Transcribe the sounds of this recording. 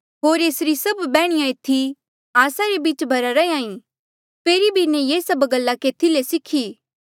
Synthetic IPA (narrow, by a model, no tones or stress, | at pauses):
ɦoːɾeːsɾisɐbːɛːɽ̃ɪjãɪt̪ʰːi | aːsaɾebiːt͡ʃbʱɐɾaɾɐeãːĩ | peːɾibʱinɛjeːsɐbɡəlːakeːt̪ʰilesɪkʰiː